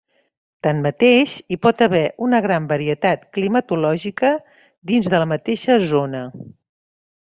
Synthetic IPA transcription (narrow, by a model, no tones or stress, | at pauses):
t̪anmət̪eʃipɔt̪əβɛʔunəɣɾambəɾiət̪at̪klimət̪ulɔʒikə | d̪inzðələmət̪eʃəzonə